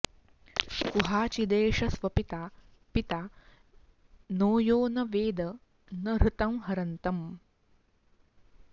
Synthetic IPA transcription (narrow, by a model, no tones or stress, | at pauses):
kuɦaːt͡ʃid̪eːʂɐsʋɐpit̪a | pit̪aː | noːjoːnɐʋeːd̪ɐ | nɐɾut̪ɐmɦɐɾɐnt̪ɐm